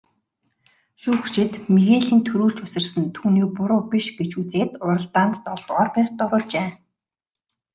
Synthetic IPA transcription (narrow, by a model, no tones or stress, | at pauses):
ʃuːxʃɪ̆t̪meɣeːɮiːnt̪ʰɵɾuːɮt͡ɕʊsɘ̆rsɘ̆nt̪ʰuːniːpʊɾʊːpʲiʃɡet͡ɕʰut͡seːt̪ʊɾə̆ɮt̪aːnt̪ːɔɮt̪ɔːrpær̥ʲt̪ːɔɾʊːɮt͡ɕeː